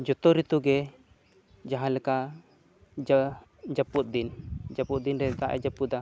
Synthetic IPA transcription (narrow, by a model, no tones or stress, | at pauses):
d͡ʒɔt̪ɔɾit̪uɡɛ | d͡ʒaɦãlɛka | d͡ʒa | d͡ʒaput̪̚d̪ind͡ʒaput̪̚d̪inɾɛt̪aʔɛ̰d͡ʒapua